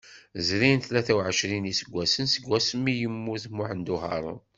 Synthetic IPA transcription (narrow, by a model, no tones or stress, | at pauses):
zɾinθlæθæwʕəʃɾinisəɡʷːæsənsəɡʷːæsəmːijəmːuθmːʊħənd̪uɦɑ̰ɾˤə̰n